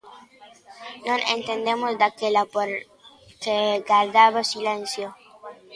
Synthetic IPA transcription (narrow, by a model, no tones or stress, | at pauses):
nõnḛnt̪end̪emozd̪akelapoɾ | keɡaɾd̪aβasilensjo